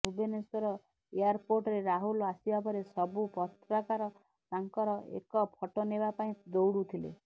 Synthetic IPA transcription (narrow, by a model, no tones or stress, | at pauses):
ubeneswɔɾɔ | ejaɾpoɾʈɔɾeɾaɦulasibapɔɾesɔbupɔt̪ɾɔkaɾɔ | t̪aŋkɔɾɔḛkɔpʰɔʈonebapaĩd̪owɽut̪ʰilḛ